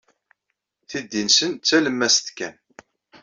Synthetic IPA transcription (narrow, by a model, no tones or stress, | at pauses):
θid̪ːinsənt͡sːæləmːæsθkæn